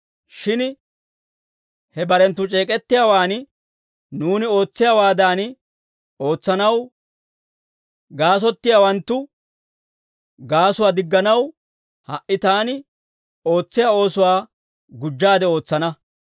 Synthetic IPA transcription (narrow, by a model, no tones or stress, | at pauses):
ʃɪn | hɛbɐɾɛnt̪ːʊt͡ʃʼe̞ːkʼɛt̪ːɪjaːwaːn | nuːnɪo̞ːt͡sːɪjaːwaːd̪aːn | o̞ːt͡sːɐnɐw | ɡaːs̬ɔt̪ːɪjaːwɐnt̪ːʊ | ɡaːsʊwaːd̪ɪɡːɐnɐw | hɐʔɪt̪aːnɪ | o̞ːt͡sːɪjaːo̞ːsʊwaː | ɡʊd͡ʒːaːd̪ɛo̞ːt͡sːɐnɐ